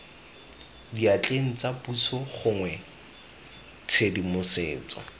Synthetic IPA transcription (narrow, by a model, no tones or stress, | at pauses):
diat͡ɬʼeŋ̩t͡sapusɔχʊŋwɛ | t͡sʰedimʊsḛːt͡sɔ̰